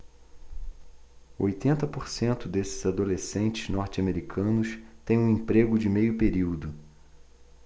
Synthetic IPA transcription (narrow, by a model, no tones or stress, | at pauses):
ojt̪ẽnt̪ɐpoɾsẽnt̪ʊd̪esɪzad̪olesẽnt͡ʃɪznɔɾt͡ʃɪameɾikʰɐ̃nʊst̪ẽj̃ũẽpɾeɡʊd͡ʒɪmejʊpeɾiwd̪ʊ